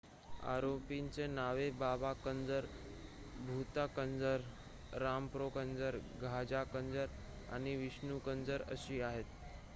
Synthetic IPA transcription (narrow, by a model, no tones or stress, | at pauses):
a̰ɾopint͡senaʋebabakənd͡zəɾ | bʱut̪akənd͡zəɾ | ɾampɾokənd͡zəɾɡʱad͡ʑakənd͡zəɾ | a̰ñiʋiɕnukənd͡zəɾə̰ɕiːaɦet̪